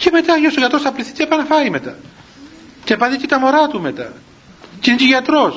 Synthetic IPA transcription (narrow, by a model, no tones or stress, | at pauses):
ceme̞t̪ɐʝɐst̪oʝɐt̪ɾosɐpliθi̥t̪epɐnɐfɐɾimet̪ɐ | c̪epɐðic̪et̪ɐmo̞ɾɐt̪umet̪ɐ̰ | cineceʝɐt̪ɾos